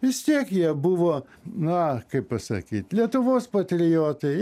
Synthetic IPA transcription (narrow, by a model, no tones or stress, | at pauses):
ʋʲɪst̪ʲiɛkjiɛbʊʋoː | nʊɐkɐɪppɐsɐ̰kʲiːt̪ʲlʲiɛt̪ʊʋoːspɐt̪ʲɾʲɪjoːt̪ɐɪ